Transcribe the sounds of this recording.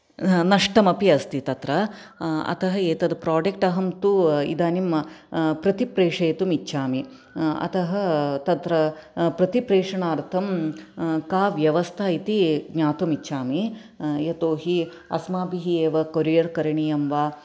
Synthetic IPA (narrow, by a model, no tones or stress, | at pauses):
nɐʂʈɐmɐpiɐst̪it̪ɐt̪ɾɐ | ɐ̰t̪ʰɐɦɐeːt̪ɐd̪pɾaːɖek̚ʈɐɦɐmt̪uḭd̪aːnimɐpɾɐt̪ipɾeːʂɐjːt̪umitːʃʰaːmi | ɐ̰t̪ɐɦɐt̪ɐt̪ɾɐpɾɐt̪ipɾeːʂɐɳaːɾt̪ʰɐm | kaːʋjɐʋɐst̪ʰait̪iɡɲaːt̪umit͡ʃːʃʰaːmi | jɐt̪oːɦi | ɐ̰smaːpiɦieːʋɐkoɾijɐɾkɐɾɐɳijɐmʋaː